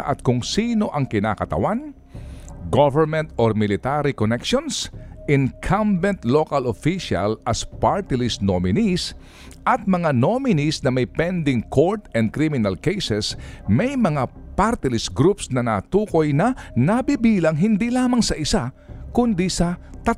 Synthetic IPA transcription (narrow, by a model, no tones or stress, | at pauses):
ʔɐt̪̚kʊŋsiːno̞ʔɐŋkɪna̰ːkɐt̪ɐ̰wan | ɡovɛɹmɛ̃nt̪ɔɾmɪlɪt̪aɾikonɛkʃonsʔɪnkʰambɛnt̪lokɐlofiʃa̰lʔɐspaɹt̪ɪlɪsnomɪnis | ʔɐt̪̚mɐŋanomɪnisnɐmɐjpɛnd̪ɪŋkʰoɹt̪ɛ̃nd̪̚kɾimɪnɐlkɛjsɛsmɛjmɐŋapaɾt̪ɪlɪsɡɾupsnɐnɐt̪uːko̞jnɐnɐbibiːlɐŋɦɪnd̪ilaːmɐŋsɐʔɪsakʊnd̪isɐt̪ɐt̪